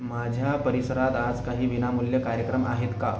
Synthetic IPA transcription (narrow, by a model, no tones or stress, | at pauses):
mad͡ʑʱjapəɾisəɾat̪ad͡zkaɦiːʋinamuljəkaɾjəkɾəmʔa̰ɦet̪ka